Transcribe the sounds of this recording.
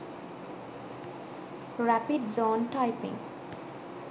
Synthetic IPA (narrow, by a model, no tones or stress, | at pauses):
rapiɖ̚d͡zɔnʈajpḭ̃ŋ